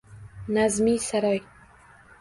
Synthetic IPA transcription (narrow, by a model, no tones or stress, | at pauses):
nazmisaɾɒj